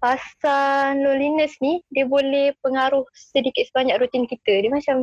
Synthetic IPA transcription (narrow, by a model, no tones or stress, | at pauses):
pasanlolinəsnidiəbolɛhpəŋaɾʊhsədikɪt̪̚səbaɲakrut̪inkit̪ədimat͡ʃam